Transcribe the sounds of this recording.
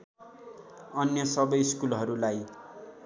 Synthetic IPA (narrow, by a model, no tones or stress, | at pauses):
ʌnjʌsʌbʌjskulɦʌɾulaj